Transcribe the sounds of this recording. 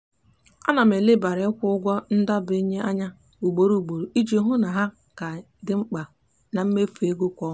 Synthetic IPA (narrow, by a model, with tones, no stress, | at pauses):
a˦na˨me˨lɪ˦ba˨ɾɪ˨˦kʷʊ˦ʊ˦ɡʷɔ˦n̩˦da˦bi˦ɲe˦a˦ɲa˦ | u˨ɡ͡bo˨ɾu˨u˨ɡ͡bo˨ɾu˨i˦d͡ʒi˨ɦʊ˦na˨ɦa˦ | ka˨ | dɪ˦ŋ͡m̩˦k͡pa˨ | na˨m̩˦me˦fe˦ɡʊ˦kʷɔ˦